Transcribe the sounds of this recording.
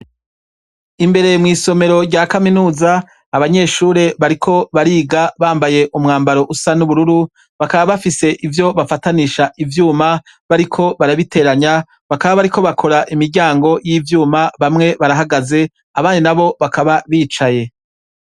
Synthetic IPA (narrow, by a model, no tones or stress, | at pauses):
imbe̞ɾe̞mŋiːso̞me̞ɾo̞ɾɟakaminuːzaː | βaɲe̞ʃuɾe̞βaɾikʰo̞βaɾiːɡaβaːmbaje̞ʔumŋaːmbaɾo̞ʔusanuβuɾuɾu | βakaβaβafise̞ʔivjo̞βafataniʃaʔivjuːma | βaɾikʰo̞βaɾaβite̞ɾaɲa | βakaβaβaɾikʰo̞βakʰo̞ɾaʔimiɾɟaːŋɡo̞jivjuːmaβamŋe̞βaɾaɦaɡaze̞ | aβaːninaβo̞βakʰaβaβiːt͡ʃaje̞